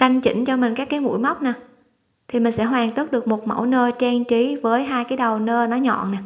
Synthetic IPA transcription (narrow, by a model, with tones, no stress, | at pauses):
ka˧jŋ̟t͡ɕḭ˧˩ŋ̟t͡ɕɔ˧mï˨˩ŋ̟kaː˦˥kːaː˨˦jmṵ˧˥jma˦˥wk͡p̚naː˨˩ | t̪ʰi˨˩mï˨˩ŋ̟sɛ̰˧˥ɦwaː˨˩ŋt̪o˦˥t̚ɗɨ˨˩ək̚mo˨˩t̚mə̰˧˩wnəː˧t͡ɕɛ˧ŋt͡ɕi˨˦vəː˨˦jɦaː˧jkaː˨˦jɗə˨˩wnəː˧nɔ˨˦ɲɔ̰˧˨nnaː˨˩